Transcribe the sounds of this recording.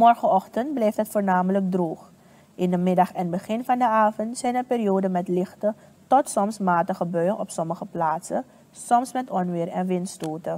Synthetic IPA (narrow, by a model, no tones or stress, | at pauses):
mɔrχəʔɔχtəntblɛjftɦətfoːrnaːmələk̚droːχ | ʔɪndəmɪdɑχɛnbəχɪnfɑndəaːvəntsɛjnəpɪːrioːdənmɛtlɪχtə | tɔtsɔmsmaːtəχəbœɥʔɔ̰psɔməχəplaːtsə | sɔmsmɛtɔnʋɪːrɛ̰nʋɪnstoːtə